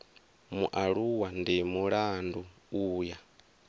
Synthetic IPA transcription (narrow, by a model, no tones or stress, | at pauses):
muʔaɺuwandimuɺandu | uːja